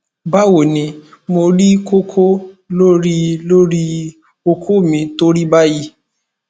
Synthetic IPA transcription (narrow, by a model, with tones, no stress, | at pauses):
ba˦wo˨nĩ˨ | mo˧ɾi˦ko˦kʰo˦lo˦ɾi˦lo˦ɾi˦ | o˧kʰo˦˨mĩ˧to˦ɾi˦ba˦ji˦